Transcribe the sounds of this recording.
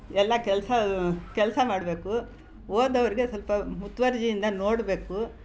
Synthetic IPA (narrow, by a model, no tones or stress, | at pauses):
ɛlːɐkɛlsɐkɛlsɐmaːɽbe̞ːku | oːd̪ɐʋɐɾiɡe̞sɐlpɐmut̪ʋɐɾd͡ʒijind̪ɐnoːɽbe̞ːku